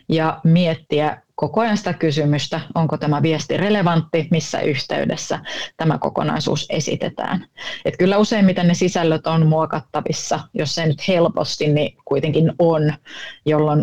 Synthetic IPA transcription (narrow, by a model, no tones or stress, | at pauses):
jɑmiet̪ːiækokojɑnsi̥t̪ækysymyst̪æoŋkot̪æmæʋiest̪ireleʋɑnt̪ːimisːæ̰ʔyht̪ḛydesːæt̪æmæko̰ko̰nɑ̰isṵːsḛsḭt̪ḛt̪æ̰ːnet̪kylːæuseimmit̪ennesisælːøt̪onmuokɑt̪ːɑʋisːɑjosːenyt̪helpo̰st̪innikuit̪eŋkinonjolːon